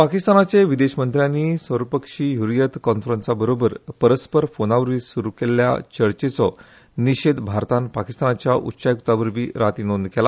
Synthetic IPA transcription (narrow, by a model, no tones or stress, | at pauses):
pakist̪anat͡ɕeʋid̪eɕmənt̪ɾjanːiːsʋəɾpəkʂiːjuɾijət̪kɔnfɾənsabəɾobəɾpəɾəspəɾfonaʋəɾʋiːsuɾukelja̰t͡ɕəɭt͡ɕet͡sɔ | niɕed̪bʱaɾt̪anpakist̪anat͡ɕjaʔṵtːɕajkut̪aʋəɾbʱiːɾat̪inond̪kɛla